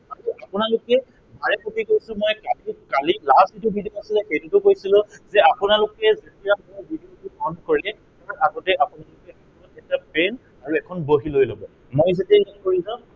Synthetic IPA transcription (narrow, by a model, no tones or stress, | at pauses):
aɹiapʊnalʊkɛ | bʱaɹɛpokʰikojsʊ̃mojkalikalilastitubʱidijoasilɛxejtutʊkojsilʊ̃zɛapʊnalʊkɛzetiaɔbʱidiotuɔnkoɹilɛ | aaaɡɔtɛapʊnalʊkɛakɔɔtɛtapɛn | aɹuɛkʰɔnboɦilojlobɔ | mojzetialankoɹizã